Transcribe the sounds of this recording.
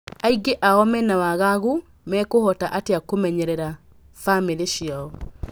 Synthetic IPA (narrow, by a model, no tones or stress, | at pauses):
aiɡeʔaɔmɛnawaɣaɣo | mɛkohɔtaʔateakomɛɲɛɾɛɾa | fameɾeʃiaɔ